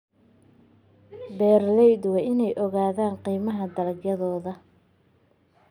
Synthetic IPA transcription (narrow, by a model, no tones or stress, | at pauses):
bɛːrlɛjd̪wɛʔɪnɛjʔɔɣaːðaːnqiːmɐɦɐd̪ɐlɐɡjɐðɔːðɐ